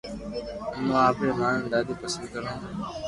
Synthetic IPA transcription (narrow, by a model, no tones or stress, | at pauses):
nãːaːpɾeːmãːnə̃nd̪aːd̪iːkəsənd̪̚kəɾõː